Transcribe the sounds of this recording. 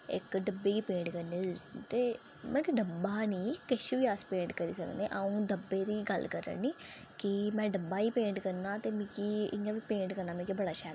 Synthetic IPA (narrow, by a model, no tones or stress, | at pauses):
ɪ̰kɖəbeːkiːpẽːɳʈkəɾniːt̪eː | mɛ̃ːkiɖəbaːniːkɪʃiʋiːaːspẽːɳɖkəɾḭːsəkneːʔəũːd̪əbeːɾiːɡəlkəɾə̰ɳniː | kɪmɛ̃ːɖəbaːiːpẽːɳʈkəɾnãːt̪eːmĩːkiɪ̰jãːʋiːpẽːɳʈkəɾnaːmɛ̃ːkibəɽaːʃɛːɾ